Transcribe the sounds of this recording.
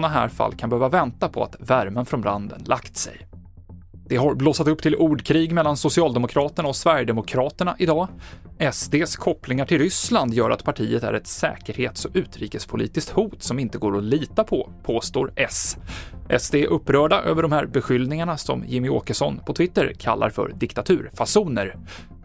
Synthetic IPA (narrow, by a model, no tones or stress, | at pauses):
naɦæ̰ːɾfa̰lːkʰanbɛhøːvavɛnt̪apʰɔ̰a̰t̪væɾmənfɾɔnbɾand̪ə̰nlʔakt̪sɛ̰j | d̪̥ɛɦaɾbloːsat̪ɵpːt̪ʰɪlʔuːɖkʰɾiːɡmɛlːansʊsɪɑːld̪ɛmʊkʰɾɑːt̪əɳaɔsvæɾjəd̪ɛmʊkʰɾɑːt̪əɳa̰ʔɪd̪ɑːɛsd̪eːskʰɔplɪŋaʈʰɪlɾʏsland̪jœːɾʔat̪pʰaʈʰiːət̪æ̰ɾɛt̪sɛ̰ːkəɾheːt̪sɔʔʉ̟ːt̪ɾiːkəspʰʊlḭːt̪ɪskt̪huːt̪sɔmɪnt̪əɡoːɾɔliːt̪apʰɔpʰoːst̪o̰ːɾɛsʔɛsd̪eːʔɵpːɾœːɖaʔøːvəɖɔmhæːɾbɛɧʏld̪nɪŋaɳasɔ̰mjɪmːɪoːkəʂɔnːpʰɔt̪ʰvɪt̪ːəɾkʰa̰lːa̰ɾfœ̰ɾd̪ɪkt̪at̪ʰʉ̟ːɾfasuːnəɾ